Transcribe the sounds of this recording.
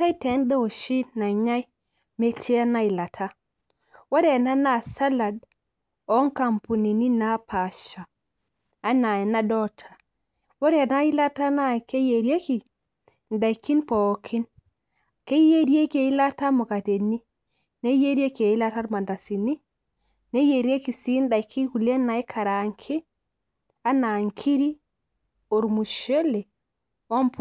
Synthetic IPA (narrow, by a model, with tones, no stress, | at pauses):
ta˦i˦te˨˦ndo˦o˨ʃi˦na˨ɲa˦j | me˨t͡ʃe˦a˦na˦i˨la˨tʰa˦ | wo˦ɾe˦a˨na˦na˨sa˦la˨d | o˦ŋka˨mpu˨ni˨ni˦na˨˦pa˨ʃaː˨˦ | na˨je˨na˦dɔ˦tʰa˨ | wo˦ɾe˦˨na˦i˦la˦ta˦na˦˨ke˦je˨ɾje˦ki˨ | nda˨ikːi˦npo˨kʰi˦n | ke˦je˦ɾi˦e˦ke˨i˦la˦ta˦mo˨ka˨te˨ni˦ | ne˦je˦ɾi˦e˦ke˨ji˦la˦ta˦ɾma˨nda˨si˨ni˦ | ne˦je˨ɾe˦ki˨si˦nda˨ikʰi˦hu˨le˦nːa˨e˦kʰa˨ɾa˨ŋkʰi˦ | a˦na˨ŋkʰi˦ɾi˦ | o˨ɾmu˨ʃe˦le˨ | wo˦mp